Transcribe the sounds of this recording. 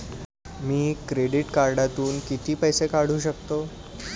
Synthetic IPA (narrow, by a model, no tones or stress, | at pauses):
miːkɾeɖiʈkaɾɖat̪uːnkit̪iːpəjsekaɽ̤uːɕəkt̪o